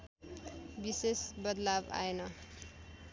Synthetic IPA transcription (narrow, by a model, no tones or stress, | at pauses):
bisesbʌd̪laba̰enʌ